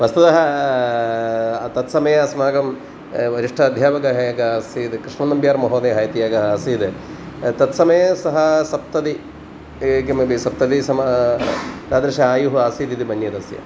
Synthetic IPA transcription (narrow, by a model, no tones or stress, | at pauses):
ʋɐst̪ɐt̪ɐɦɐ | t̪ɐt̪sɐmɐjɐsmaːɡɐm | ʋɐɾiʂʈʰɐːd̪ʱjaːʋɐɡɐɦeɡɐsiːd̪kɾiʂmɐnɐmbjaːɾmɐɦoːnɐɦɐːjɐt̪ijaːɡɐɦɐɐsiːd̪e | t̪ɐt̪sɐmɐjɐsɐɦɐsɐp̚t̪ɐd̪i | kimɐbisɐp̚t̪ɐd̪isɐma | ɾaːd̪ɾɐʃɐaːjuɦuaːsiːd̪id̪ibɐnjɐd̪ɐsjɐ̰